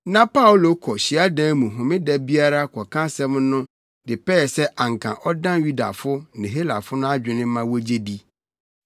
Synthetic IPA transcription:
nã˦pʰa˦wʊ˨lo˦kʰɔ˨ɕi˨a˦dã˦mũ˨ɦʊ̃˨mɪ̃˦dɛ˨bi˦a˦ɾa˦kʰɔ˨kʰã˦sɛ̃˦mnʊ̃˦ | dɪ˨pɛː˦˨sɛ˦ʔã˨ŋkʰã̰˨ʔɔ˦dã˦nju˦da̰˨fʊ˦nɪ̃˨ɦe˦la̰˨fʊ˦nʊ̃˦a˦d͡ʑᶣɪ˨nɪ̃˦mã˦wo˦d͡ʑe˦di˦

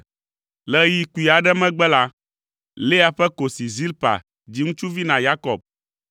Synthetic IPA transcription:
lɛ˦ji˦ku˨i˨a˨ɖɛ˦mɛ̃˦ɡ͡bɛ˦la˦ | le˦a˨ɸɛ˦ko˨si˨zi˦lpa̰˨ | d͡ʑi˦ŋũ˦t͡ʃu˦vi˦nã˨ja˦kɔ˨b̚

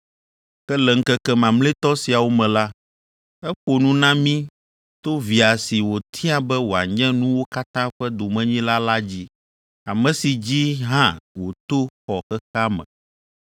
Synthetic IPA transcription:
kɛ˦lɛ˨ŋ̩˦kɛ˦kɛ˦mã˨mle˦t̪ɔ˦si˨a˨wo˦mɛ̃˨la˦ | ɛ˦ɸo˨nũ˦nã˦mĩ˦ | t̪o˦vi˨a˨si˨wo˨t̪ʰi˦a˦bɛ˦wo˨a˨ɲɛ̃˦nũ˦wo˦ka˦t̪ã˦ɸɛ˦d̪o˨mɛ̃˦ɲĩ˦la˦la˦d͡ʑi˦ | a˨mɛ̃˨si˨d͡ʑi˦ɦã˦wo˨t̪o˦xɔ˨xɛ˦xa˦mɛ̰̃˨

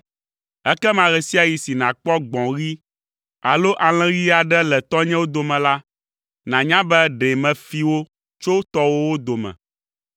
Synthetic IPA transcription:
ɛ˦kɛ˦mã˨ɣɛ˨si˦a˨ji˨si˨nã˨k͡pɔ˦ɡ͡bɔ̃˨ɣi˦ | a˨lo˦ʔa˨l̃ɛ̃˦ɣi˦a˨ɖɛ˦lɛ˨t̪ɔ˦ɲɛ̃˦wo˦d̪o˨mɛ̃˨la˦ | nã˨ɲã˦bɛ˦ɖɛ˨mɛ̃˨fi˦wo˦ | t͡ʃo˦t̪ɔ˦wo˦wo˦d̪o˨mɛ̰̃˨

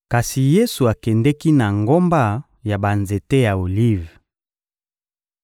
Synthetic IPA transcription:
ka˨si˨je˦su˨a˨kɛ˨ndɛ˦ki˦na˨ŋɡo˦mba˦ | ja˨ba˨nze˨te˦ja˨o˨li˦˨v

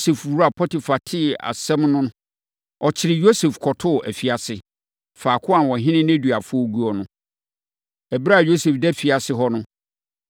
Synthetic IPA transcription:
sɛ˨fwu˦ɾa˨pʰɔ˦tʰɪ˨fa˨tʰɪ˦a̰˨sɛ̃˦mnʊ̃˦nʊ̃˦ | ɔ˨t͡ɕʰɪ˨ɾɪ˨jo˦sɛ˨fkʰɔ˨tʰʊ˦˨ʔæ̰˨fi˨a˨sɪ˨ | faː˨kʰʊ˦a˨n˨wɔ˨ɦɪ̃˦nɪ̃˦nɛ̃˦dɥa˨fʊ˦ɔ˦ɡu˦ɔ˦nʊ̃˦ | ɛ˨bɾa˦˨jo˦sɛ˨fdɛ˦fi˨a˨sɪ˦ɦɔ˦nʊ̃˦

